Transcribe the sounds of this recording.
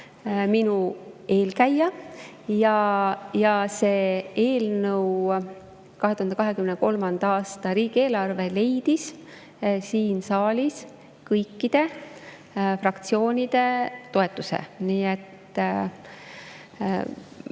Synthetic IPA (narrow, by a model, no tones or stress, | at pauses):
minue̞ːlkæjːɑ | jɑjɑse̞ːe̞ːlnəw | kɑɦeuhɑnd̪ekɑɦe̞kymneko̞lmɑnd̪̥ɑɑːst̪ɑɾiːɡ̥ie̞ːlɑrve̞le̞jd̪̥is | siːnsɑːlʲis | kɤjkːid̪̥e̞ | frɑkt̪sio̞ːnʲid̪̥e̞t̪o̞et̪ːˑusḛniːet̪ːˑ